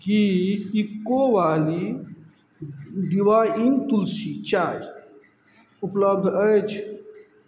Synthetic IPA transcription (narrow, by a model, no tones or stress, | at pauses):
kiikːoʋaːli | ɖiwaːjint̪ulsit͡ʃaːj | upləb̚d̪ʱət͡ʃʰ